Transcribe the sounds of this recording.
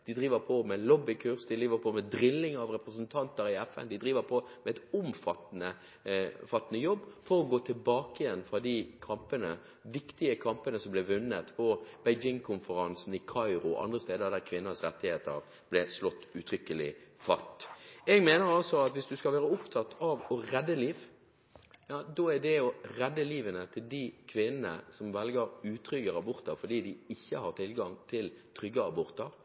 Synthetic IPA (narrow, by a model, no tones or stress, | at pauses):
d̪̥ɪd̪ɾiːʋəɾpʰɔmɛlɔbɪkʰʉɾsd̪ɪd̪ɾiːʋəɾpʰɔmɛd̪ɾɪlːɪŋɑʋɾɛpɾəs̬ənt̪ʰɑnt̪əɾɪɛfɛ̰nd̪ɪd̪ɾiːʋəɾpʰɔmɛɛt̪ʊmfɑt̪ːnə | fɑt̪ːənəjɔbːfɔɾɔɡoːt̪ʰɪlbɑːkəjɛnːfɾɑd̪ikʰɑmpənə | ʋɪkt̪ɪəkʰɑmpənəsɔmblɛʋʉnːət̪pʰɔb̥ɛɪd͡ʒɪŋkʰʊnfəɾɑnsn̩ɪkʰɑɪɾʊʔɑ̰nd̪ʁəst̪eːd̪əʁd̪æɾkʰʋɪnːəsɾɛt̪ːɪheːt̪əɾ | blɛslɔt̪ːʉt̪ʰɾʏkəlɪ̰fɑ̰t̪ːɛɡmeːnəɾɑlsɔɑt̪ʋɪsd̪ʉskɑlʋæːɾəʊpt̪ʰɑt̪ːɑʋɔɾɛd̪ːəliːʋ | jɑːd̪oæɖ̪ɛɔʁɛd̪ːəliːʋənət̪ʰɪld̪ikʰʋɪnənə̰sɔmʋɛlɡəɾʉːt̪ʰɾʏɡəɾɑbɔɾt̪əʁfɔɖ̪iːd̪ɪɪçːəhɑʁt̪ʰɪlɡɑŋt̪ʰɪlt̪ʰɾʏɡːəɑbɔɾt̪ɑɾ